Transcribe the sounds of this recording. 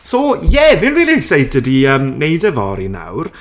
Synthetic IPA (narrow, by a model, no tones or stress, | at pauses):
sojɛvɪnriːlˠiɛɡsajt̚d̥ədiəːmnejdəvɔ̰ɾḭna̰wr